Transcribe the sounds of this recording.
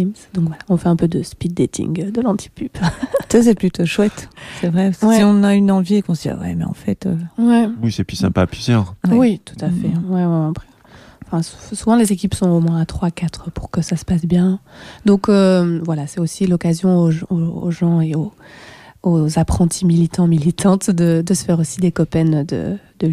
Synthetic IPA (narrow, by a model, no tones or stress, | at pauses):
imsd̪ɔ̃kvwalaɔ̃fɛɛ̃pød̪əspid̪et̪ʰḭŋd̪əlɑ̃t̪ʰi̥pybt̪as̬ɛplyt̪oʃwɛt̪sɛvʁɛwsɛiɔ̃naynɑ̃viekɔ̃sia̰wɛ̰mɛ̰ɑ̰̃fɛt̪ø̰wɛwisɛpysɛ̰̃paːplyzjœːʁwit̪u̥t̪afɛwɛwɛɑ̃pχɛ | ɑ̃fɛ̃su̥suvɑ̃lezekʲipsɔ̃omwɛ̃at̪χwakat̪χəpuʁkəsasə̥pasbjɛ̃d̪ɔ̃kømvwalasɛosilɔkazjɔ̃oʒoo̰ʒɑ̃eo | ozapχɑ̃t̪ʰimilit̪ɑ̃milit̪ʰɑ̃t̪d̪əd̪əsə̥fɛʁosid̪ekɔpɛnd̪ə̰d̪̥ə